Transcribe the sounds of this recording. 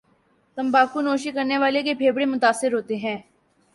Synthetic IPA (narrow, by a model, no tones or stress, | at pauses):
t̪əmbaːkunoːʃikəɾneʋaːlekepʰeːbɽemʊt̪aːsːɪɾɦoːt̪eɦɛ̃ː